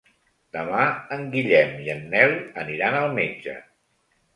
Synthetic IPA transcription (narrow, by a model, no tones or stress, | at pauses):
d̪əmaəŋɡiʎɛmiənːɛləniɾanəlˠmed͡ʒə̰